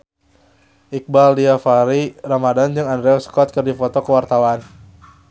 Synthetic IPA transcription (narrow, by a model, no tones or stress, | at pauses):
ʔik̚baldiafaɾiramadand͡ʒɨŋandɾɛɔskɔt̪̚kɨrdifɔt̪ɔkəwart̪awan